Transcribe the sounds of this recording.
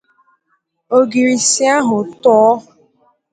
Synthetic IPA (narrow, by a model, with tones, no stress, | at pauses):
o˦ɡi˨ɾi˨si˦a˦ɦʊ˨tɔː˦